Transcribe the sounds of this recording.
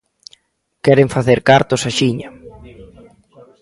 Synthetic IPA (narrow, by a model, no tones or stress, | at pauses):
kɛɾeɱfaθeɾkaɾt̪ʊsaʃiɲa